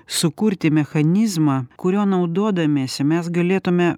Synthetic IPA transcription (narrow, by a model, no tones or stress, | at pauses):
sʊkʊɾʲt̪ʲɪmʲɛxɐnʲɪzmɑkʊɾʲoːnɐʊd̪oːd̪ɐmʲeːsʲɛmʲɛsɡɐlʲeːt̪ʊmʲɛ